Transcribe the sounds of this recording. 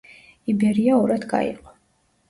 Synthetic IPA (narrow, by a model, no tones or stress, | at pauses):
ibɛɾiaɔɾad̪ɡa̰ḭqʼɔ̥